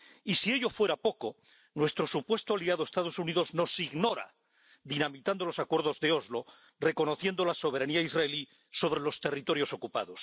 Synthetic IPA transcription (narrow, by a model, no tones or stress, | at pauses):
isieʎo̞fwe̞ɾapo̞ko | nwe̞st̪ɾo̞supwe̞st̪oaliaðoest̪aðo̞suniðo̞zno̞siɣno̞ɾa̰ | ðinamit̪and̪o̞lo̞sakwe̞ɾðo̞zðe̞o̞zlo̞ | re̞ko̞no̞θjend̪o̞laso̞β̞e̞ɾaniaizraeli | so̞β̞ɾe̞lo̞st̪e̞rit̪o̞ɾjo̞so̞kupa̰ðos